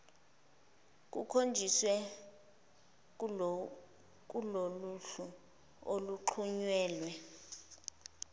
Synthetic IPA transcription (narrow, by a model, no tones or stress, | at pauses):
k̬ʼṵkʰond͡ʒʱiswɛ | k̬ʼuloluɬu | oluǃʰuɲwɛːlwɛ